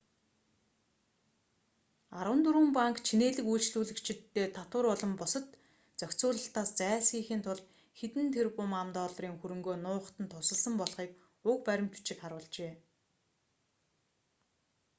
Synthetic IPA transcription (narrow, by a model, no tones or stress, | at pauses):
aɾwə̆nt̪uɾɘ̆mpaŋkt͡ɕʰineːɮɘ̆kujɮt͡ɕɮuːɮɘ̆kt͡ɕʰɪ̆t̪ːeːt̪ʰat̪ʊ̆rɔɮɞ̆mpʊsə̆t̪ | t͡sœkʲt͡sʊːɮə̆ɬt̪aːst͡sæːsxiːxiːnt̪ʰʊɮ | xet̪ɘ̆nt̪ʰerpʊmamt̪ɔːɮriːŋxuɾɵ̆ŋɡoːnʊːχə̥̆t̪ə̆nt̪ʰʊsə̆ɮsə̆mpɔɮχiːk | ʊkpæɾʲɪ̆m̥t̪u̥t͡ɕɪ̆kχaɾwʊ̆ːɮt͡ɕeː